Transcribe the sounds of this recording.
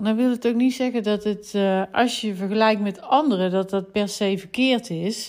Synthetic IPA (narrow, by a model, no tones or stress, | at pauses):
ndɔnʋɪlˠətowknitsɛɣəndɑtətʔɑsjəvəɹɣəlɛjktmɛtɑndərədɑt̚dɑt̚pɛɹsejvərkɪːɹtɪs